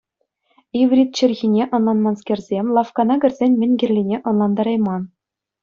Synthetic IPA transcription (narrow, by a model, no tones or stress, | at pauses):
iʋrʲit̪̚t͡ɕɘ̆rʲɣʲinʲeʔɤ̆nlˠɑnmɑnskʲerʲzʲemʲlˠɑfkɑnɑɡʲɘ̆rʲzʲenʲmʲɘ̆nʲɡʲɘ̆rʲlʲinʲeʔɤ̆nlˠɑnd̪ɑɾɑjmɑn